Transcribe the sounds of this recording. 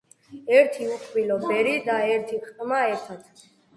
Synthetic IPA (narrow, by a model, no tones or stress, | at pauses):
ɛɾt̪ʰiuqʰʼbilɔbɛɾid̪aɛɾt̪ʰiq̪ʼmaɛt̪ʰat̪ʰ